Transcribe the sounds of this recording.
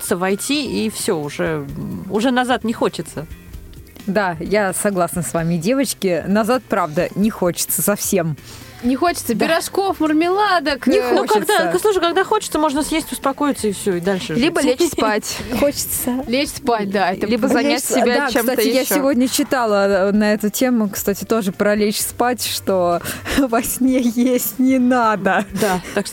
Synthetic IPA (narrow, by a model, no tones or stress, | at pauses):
t̪səvɐjtʲiifsʲoʊʐɛʊʐɛnɐzat̪nʲɪxot͡ɕɪt̪sə | d̪ajasɐɡlˠasnəsvamʲɪdʲe̞vət͡ɕkʲɪnɐzat̪̚pɾavd̪ənʲɪxo̞t͡ɕɪ̥t̪səsɐfsʲe̞m | nʲɪxot͡ɕɪ̥t̪səpʲɪɾɐʂko̞fmərmʲɪlˠad̪əknʲɪnokaɪɡ̪əslˠuʂəjkaɡd̪axot͡ɕɪ̥t̪səmo̞ʐnəsjesʲtʲʊspɐko̞jɪt̪səɪfsʲoɪd̪alʲʂɨlʲibəlʲet͡ɕspatʲxot͡ɕɪ̥t̪səlʲet͡ɕspatʲd̪aɛt̪əlʲibəzɐnʲasɪbʲdaat͡ɕːemst̪at̪tɪjasɪvo̞dʲnʲət͡ɕɪt̪alˠənɐɛt̪ʊtʲe̞mʊkst̪atʲɪt̪o̞ʐɨpɾɐlʲet͡ɕspatʲʂt̪ovɐsʲnʲejesʲtʲnʲɪnad̪əd̪aakʂ